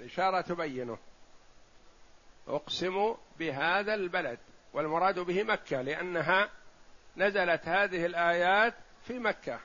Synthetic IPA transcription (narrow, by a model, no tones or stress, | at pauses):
lʔɪʃɑːɾˤɑt̪ʊbajːɪnʊ | ʔʊ̰qsɪmubɪɦaːðalbalad̪walmʊɾˤɑːd̪bɪhɪmakːalɪʔanːaɦa | nazalat̪haːðɪhɪlʔaːjaːt̪fiːmakːa